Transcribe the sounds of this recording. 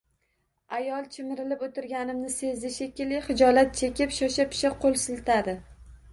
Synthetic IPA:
ajɒlˠt͡ʃʰɪmɪɾɪlɪpot̪ʰɪɾɡʲanɪmnɪse̞zd̪ɪʃekʲɪlɪχɪd͡ʒɒlat̪̚t͡ʃʰe̞kʲɪpʃɒʃapʰɪ̥ʃaqʰːolˠsɪlt̪ʰad̪ɪ

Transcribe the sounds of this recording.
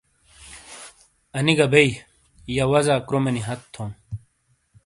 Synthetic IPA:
ɐniɡɐbɐi | jawɐzaːkɾomɐniɦɐt̪ʰːom

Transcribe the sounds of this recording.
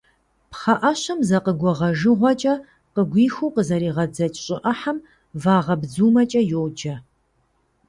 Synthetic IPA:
pχɐʔɐɕɐmzɐqəɡʷɔʁɐʒɨʁʷɔt͡ʃʼɐ | qəɡʷiːxuːqəzɐɾiːʁɐd͡zɐt͡ʃʼɕʼɪʔɐħam | vaːʁɐbd͡zuːmɐt͡ʃʼɐjowd͡ʒɐ

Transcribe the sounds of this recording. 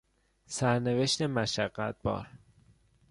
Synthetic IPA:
sæɾne̞ve̞ʃt̪e̞mæʃæɢːæt̪̚bɒ̰ːɾ

